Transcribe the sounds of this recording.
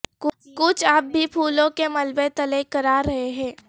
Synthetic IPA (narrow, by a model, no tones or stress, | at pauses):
kʊ | kʊt͡ʃʰaːp̚bʱipʰuːlõkemɐlbet̪ɐlekɐɾaːɾɐɦeɦɛ̃ː